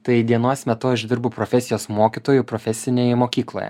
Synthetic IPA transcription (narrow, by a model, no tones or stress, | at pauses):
t̪ɐɪd̪ʲiɛnoːsmʲɛt̪ʊɐʒd̪ʲɪɾbʊpɾofʲɛsʲɪjoːsmoːkʲiːt̪oːjʊpɾofʲɛsʲɪnʲeːjɛmoːkʲiːklˠo̰ːjɛ̰